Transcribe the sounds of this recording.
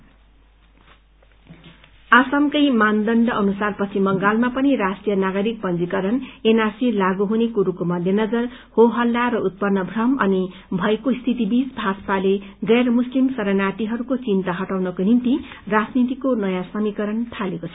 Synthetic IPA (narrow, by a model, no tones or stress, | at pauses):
asamkʌjmand̪ʌɳɖʌʔʌnusarpʌt͡sʰimʌŋɡalmapʌniɾasʈijʌnaɡʌɾik̚pʌnd͡zikʌɾʌnenarsilaɡuɦunekuɾukomʌd̪ʱjʌnʌd͡zʌr | hoɦʌlːaɾʌut̪̚pʌnːʌbʱrʌmʌni | bʱʌjkost̪ʰit̪ibisbʱaspaleɡʌjrmuslimsʌɾʌnaʈiɦʌɾukot͡sint̪aɦʌʈawnʌkonimt̪i | rad͡znit̪ikonʌjãsʌmikʌɾʌnt̪ʰalekot͡sʰʌ